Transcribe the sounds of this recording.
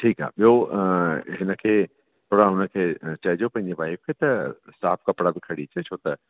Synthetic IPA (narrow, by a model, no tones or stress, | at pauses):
ʈʰiːka̰ːɓijo | ɦɪnəkʰeː | t̪ʰoːɽaɦʊnə̆kʰeːt͡ɕɐɦid͡ʑopɐ̃ɦɪ̃ɲd͡ʑeʋaːɦɪk̚kʰeːt̪ɐsaːfʰkɐpɽabɪkʰɐɽit͡ɕʰet͡ɕʰoːt̪ɐ